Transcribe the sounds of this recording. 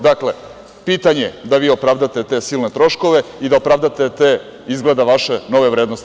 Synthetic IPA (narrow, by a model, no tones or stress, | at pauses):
d̪akle̞ | piːt̪aɲeed̪aʋiːo̞pɾaʋd̪at̪e̞t̪e̞ːsilne̞t̪ɾo̞ʃko̞ʋe̞id̪aopɾaʋd̪at̪e̞t̪e | izɡled̪aʋaʃe̞no̞ʋe̞ʋɾed̪no̞st̪